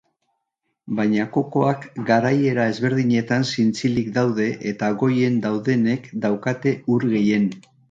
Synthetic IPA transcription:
bajɲako̞ko̞akɡaɾaje̞ɾae̞zβe̞ɾðiɲe̞t̪ansint͡silikd̪awð̞e̞ʔet̪aɣo̞je̞nd̪awðe̞ne̞kd̪awkat̪e̞uɾɣe̞je̞n

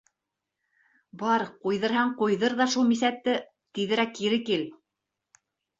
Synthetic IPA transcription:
bɑɾqujðɤ̆ɾɦɑɴqujðɤɾðɑʃulˠmis̬æt̪ːɘ | t̪iðɘ̆ɾækːiɾɘkil

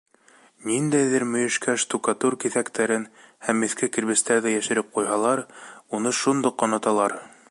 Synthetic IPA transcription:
nind̪æjðɘɾmɵ̆jɘ̆ʃkæʃt̪ukɑt̪uɾkiθækt̪æɾɘnhæmːɘ̆θkɘkɘ̆ɾβɘ̆st̪æɾðæjæʃɘ̆ɾɘp̚qujɦɑlˠɑɾunɤʃund̪ɤqːɑnɑt̪ɑlˠɑɾ

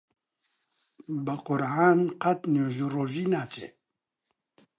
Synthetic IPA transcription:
bɨqʊɾʕaːnqɐt̪noːʒuroːʒiːnaːt͡ʃʰḛː

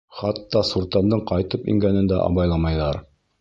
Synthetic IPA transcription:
χɑt̪ːɑsuɾt̪ɑnd̪ɤɴqɑjt̪ɤpḭŋɡænɘnd̪æ̰ʔɑ̰βɑjlˠɑmɑjðɑɾ

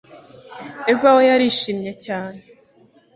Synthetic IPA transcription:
evawojaɾiʃiːmɲe̞caːne

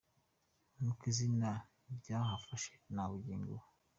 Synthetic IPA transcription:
nukizina | bɟahafaʃenaβuɟiːŋɡṵu

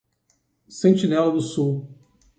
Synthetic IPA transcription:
sẽnt͡ʃinɛlʊd̪ʊsuw

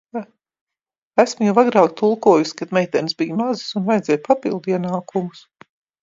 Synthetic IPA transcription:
æsmujawaɡɾaːkt̪ʰulˠkuɔjuskad̪mɛjt̪ɛnsbijmazisunvajd̪zɛjpapilˠd̪iɛnaːkumus

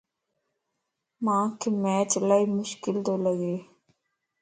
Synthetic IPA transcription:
mãːkʰeːmɛːt͡ʃlaːiːmʊʃkɪld̪oːləɡeː

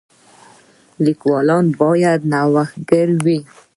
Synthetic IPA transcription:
likwɑlɑnbɑjad̪̚nawaxɡəɾwi

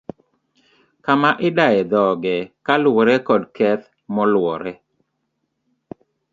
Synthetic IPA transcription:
kamaʔɪdaɛd̪ɔɡɛkalwɔɾɛkɔdkɛt̪̚ | mɔlwɔɾɛ

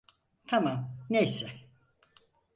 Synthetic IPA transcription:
t̪ʰamamnejsɛ

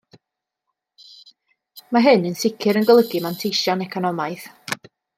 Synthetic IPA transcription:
maɦɨnənsɪkʰɨɾənɡəlˠəɡɨmantʰejʃɔnɛkʰɔnɔmajθ

